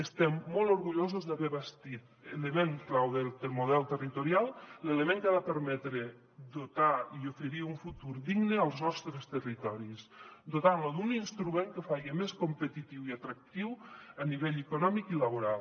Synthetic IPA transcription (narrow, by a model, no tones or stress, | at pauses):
əst̪ɛmːɔlˠoɾɣuʎozuzðaβɛβəst̪it̪elemeŋklawðed̪əlˠmuðɛlˠt̪ərit̪uɾialˠleləmeŋkaðapəɾmɛt̪ɾe | d̪ut̪aiofəɾiuɱfut̪uɾðiɡnəəlˠznɔst̪ɾəst̪ərit̪ɔɾisd̪ot̪anloðuninst̪ɾumeŋkəfaɣemeskompət̪it̪iwiat̪ɾak̚t̪iwəniβeʎəkunɔmikiləβoɾalˠ